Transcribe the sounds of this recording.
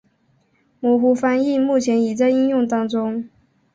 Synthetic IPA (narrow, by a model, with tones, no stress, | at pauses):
mɔ˧˥xu˧˥fa˥ni˥˧mu˥˩t͡ɕʰjɛ˧˥ni˨˩t͡sa˥˧ɪi˥njʊ˥˩ŋt̪ɑ˥ŋʈ͡ʂʊ˥ŋ